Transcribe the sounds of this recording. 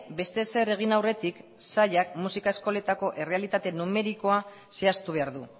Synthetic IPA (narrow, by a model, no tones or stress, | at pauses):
be̞st̪e̞se̞re̞ɣ̞inawre̞t̪iksaʎakmusikae̞sko̞le̞t̪ako̞ʔe̞re̞alit̪at̪e̞nume̞ɾiko̞a | se̞ast̪uβ̞e̞aɾðu